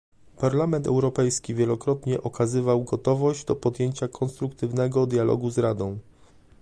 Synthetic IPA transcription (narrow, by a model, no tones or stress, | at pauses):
paɾlamɛnt̪ɛwɾɔpɛjskʲivʲjɛlɔkɾɔt̪ɲɛʔɔkazɘvawɡɔt̪ɔvɔʑd͡ʑd̪ɔpɔd̪jeɲt͡ɕakʰɔnst̪ɾukt̪ɘvnɛɡɔd̪jalɔ̰ɡuzɾad̪ɔ̃w̃